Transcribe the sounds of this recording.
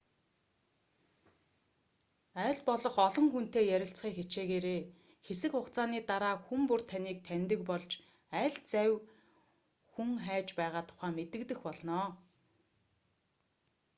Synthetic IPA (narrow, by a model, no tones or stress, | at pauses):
æːɮpɔɮɞ̆χɔɮɞ̆ŋxun̥t̪eːjæɾʲɪ̆ɬt͡sχiːkxet͡ɕeːɣeːɾeː | xesɘ̆kχʊqt͡saːniːt̪aɾaːxumpur̥t̪ʰaniːk̚t̪ʰænʲt̪ɘ̆kpɔɮt͡ɕ | æːɮt͡sæw | xuŋχæːt͡ɕpæːʁaːt̪ʰʊ̥χæːmet̪ɘ̆kt̪ɘ̆xpɔɮnɔː